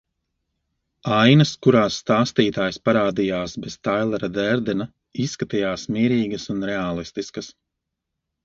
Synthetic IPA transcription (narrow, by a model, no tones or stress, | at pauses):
ajnɐskuɾaːsːt̪aːst̪iːt̪aːjspaɾaːd̪ijaːsbɛz̥t̪ajlˠɛɾad̪ɛɾd̪ɛna | isːkat̪ijaːsmiːɾiːɡɐsunɾɛaːlˠist̪iskɐs